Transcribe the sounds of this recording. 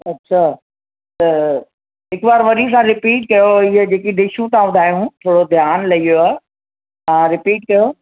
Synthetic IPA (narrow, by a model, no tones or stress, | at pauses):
ɐtːɕʰa | t̪ɐ | ɦɪkʋaːɾʋɐɾis̬ãɾɪpiːʈ̚kɐjoɪɦəd͡ʑeːkiɖɪʃuːtãʋʊd̪ʱaːjũt̪ʰoːɽod̪ʱjaːnlɐijoaː | ãːɾɪpiːʈ̚kɐjo